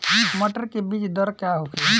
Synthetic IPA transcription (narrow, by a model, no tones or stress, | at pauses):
iməʈəɾkebit͡ʃd̪əɾkaɦokʰen